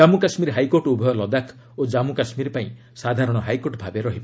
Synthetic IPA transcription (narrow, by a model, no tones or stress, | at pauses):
amukasmiɾɦajkoɾʈubʱɔjɔlɔd̪akʰ | od͡ʒamukasmiɾpaĩ | sad̪ʱaɾɔɽ̃ɔɦajkoʈbʱabeɾɔɦibɔ